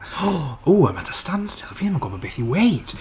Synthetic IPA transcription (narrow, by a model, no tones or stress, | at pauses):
oːaɪmatʰə̥stãnd̥stʰɪlˠfiə̃məɡɔbəbɪθjəweɪt